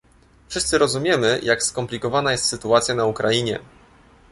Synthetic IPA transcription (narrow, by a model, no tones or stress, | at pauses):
fʂɘst̪sɘɾɔzumʲjɛmɘjʔakskɔmplʲikɔvanajɛst̪sɘt̪uat̪sʲjanaukɾaiɲɛ